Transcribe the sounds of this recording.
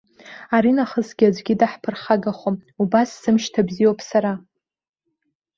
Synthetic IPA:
aɾinaχəsɡʲad͡ʒʷɡʲidaħpʰɨrχaɡaχʷomubasːɨmʃtʰabzijopʰʼsaɾa

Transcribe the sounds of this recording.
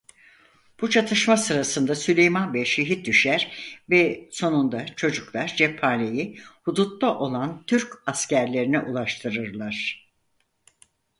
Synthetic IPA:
b̥ut͡ʃʰat̪ʰɯʃmasɯɾasɯnd̪asylʲejmanvɛʃeɦit̪̚d̪yʃæɾvɛso̞nund̪at͡ʃʰo̞d͡ʒuklˠaɾd͡ʒɛpʰaːnejihud̪ut̪laʔo̞lˠant̪ʰyɾcascæɾlʲe̞ɾinɛʔulˠaʃt̪ʰɯɾɯɾlˠaɾ̝̥

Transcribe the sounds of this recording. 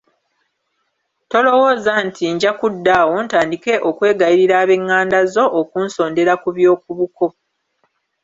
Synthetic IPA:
to̞lo̞wo̞ːzantʰiɲɟakudːaːwo̞ntaːndike̞ʔo̞kwe̞ːɡajiɾiɾaːβe̞ŋːaːndazo̞ʔːkuːnso̞ːnde̞ɾakuβjo̞ːkuβuko̞

